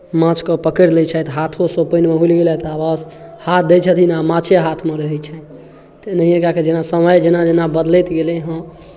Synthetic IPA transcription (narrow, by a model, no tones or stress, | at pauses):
mãt͡ʃkəpəkəɾlɛt͡ʃʰɛt̪ɦat̪ʰosopənmeɦulɡelɛt̪awashat̪ʰd̪et͡ʃʰət̪ʰinamãt͡ʃʰeɦat̪ʰmeɾəɦɛt͡ʃʰɛ | t̪enəɦijẽkaked͡ʒenasəməjd͡ʒenad͡ʒenabəd̪lɛt̪ɡelɛ̃ɦə̃